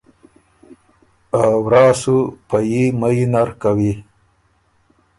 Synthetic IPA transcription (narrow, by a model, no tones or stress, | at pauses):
awɾɑːsupajimajinaɾkawi